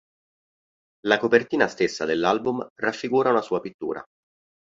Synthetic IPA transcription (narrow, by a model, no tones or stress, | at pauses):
lakopert̪iːnast̪esːa̰d̪elːalbumrafːiɡuːɾaunasuːapit̪ːṵːɾa̰